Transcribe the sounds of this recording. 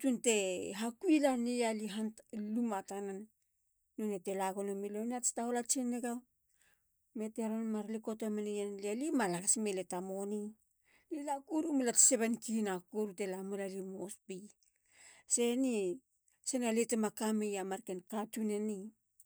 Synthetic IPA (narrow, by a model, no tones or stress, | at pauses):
tunte̞ɦakuilanialiɦanlumatananː | onetelaɡonomilonataolat͡ʃeneɡa | me̞teɾonmaɾlikotomenejanlialimalaɡasmeletamoni | lilakuɾumulatseβenkinakoɾute̞lamulalimospi | se̞ni | senaletemakamejamaɾkenkatuneni